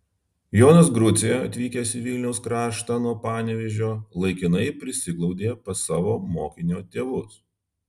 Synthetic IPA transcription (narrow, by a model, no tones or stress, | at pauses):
joːnɐs̬ɡɾʊt̪sʲeɛɐt̪ʲʋʲiːkʲesʲɪʋʲɪlʲnʲɛʊskɾɑːʃt̪ɑnuɔpɑːnʲɛʋʲɛʒʲoːlˠɐɪkʲɪnɐɪpʲɾʲɪsʲɪɡlˠɒʊd̪ʲeːpɐsɑːʋoːmoːkʲɪnʲoːt̪ʲeːʋʊs